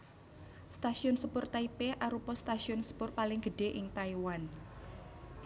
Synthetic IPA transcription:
st̪asiʊnsəpʊrt̪aipeʔaɾupɔst̪asiʊnsə̥pʊrpalɪŋɡ̥əɖ̥eʔɪŋt̪aiwan

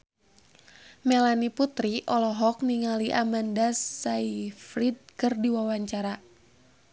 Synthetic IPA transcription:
melaniput̪ɾiʔɔlɔɦɔk̚niŋaliʔamandasːaifɾid̚kɨrdiwawaɲt͡ʃaɾa

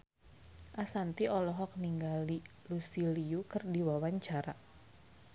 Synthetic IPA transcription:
ʔasant̪iɔlɔɦɔk̚niŋɡali | lusiliukɨrdiwawaɲt͡ʃaɾa

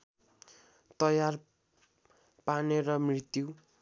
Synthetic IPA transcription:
t̪ʌjar | paneɾʌmrit̪ju

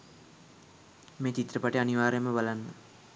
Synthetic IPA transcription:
meːt͡ʃit̪rəpaʈeaniʋaːɾejməbalanːə

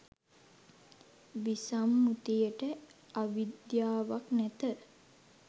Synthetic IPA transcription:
ʋisamːut̪ijəʈə | aʋid̪jaːʋaknæt̪ə

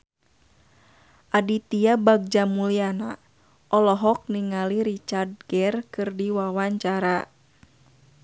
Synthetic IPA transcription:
ʔadit̪iabaɡ̚d͡ʒamuliana | ʔɔlɔɦɔk̚niŋaliɾit͡ʃard̚ɡɛrkɨrdiwawaɲt͡ʃaɾa

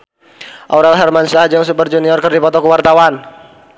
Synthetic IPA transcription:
ʔaɾalɦɛrmansahd͡ʒaŋsupərd͡ʒuniɔrkərdipɔt̪ɔkəwart̪awan

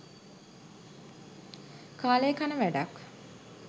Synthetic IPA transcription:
kaːlejkanəʋæɖak

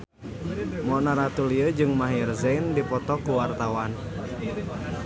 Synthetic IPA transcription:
mɔnaɾat̪uliəd͡ʒɨŋmaɦirzɛndipɔt̪ɔkuwart̪awan

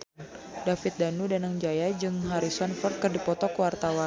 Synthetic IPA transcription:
dafɪt̪̚danudanaŋd͡ʒajad͡ʒɨŋɦaɾisɔnfɔrt̪̚kɨrdipɔt̪ɔkwart̪awan

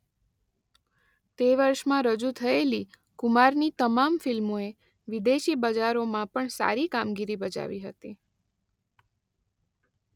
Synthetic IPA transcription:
t̪eʋəɾʃmãɾəd͡ʒut̪ʰəeli | kumaɾnit̪əmamfilmoe | ʋid̪eʃibəd͡ʒaɾomãpəɳsa̰ɾikamɡiɾibəd͡ʒa̰ʋiɦət̪i

